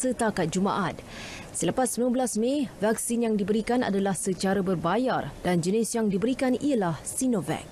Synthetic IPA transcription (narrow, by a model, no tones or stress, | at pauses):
sət̪akat̪̚d͡ʒuma̰ʔat̪̚ | sələpasːəbilambəlasmevak̚sinjaŋdibəɾikana̰dalahsət͡ʃaɾabərbajardand͡ʒənisjaŋdibəɾikaniəlahsinovɛ̰k̚